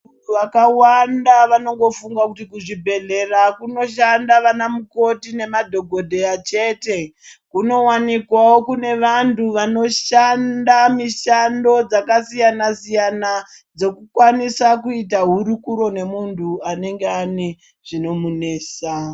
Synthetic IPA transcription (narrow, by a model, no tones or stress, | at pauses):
unuʋakawandaʋano̞ŋɡo̞fuŋɡakutikuʐibʱe̞ɮe̞rakuno̞ʃandaʋanamuko̞tine̞madʱo̞ɡʱo̞dʱe̞jat͡ʃe̞te̞kuno̞wanikwawo̞kune̞ʋantʰuʋano̞ʃandamiʃando̞d͡zakasijanasijana | d͡zo̞kukwanisakuitaɦuɾukuɾo̞ne̞muntuane̞ŋɡe̞ane | ʐ̥ino̞mune̞ːsa